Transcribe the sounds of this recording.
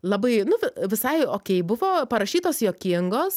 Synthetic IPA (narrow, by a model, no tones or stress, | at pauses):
lˠɐbɐɪnʊʋʲɪʋʲɪsɐɪoːkʲɛɪbʊʋoːpɐɾɐʃʲiːt̪oːsjoːkʲɪŋɡoːs